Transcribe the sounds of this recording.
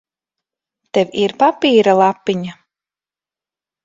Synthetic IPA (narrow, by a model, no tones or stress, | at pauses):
t̪ɛviɾpapiːɾalˠapːiɲa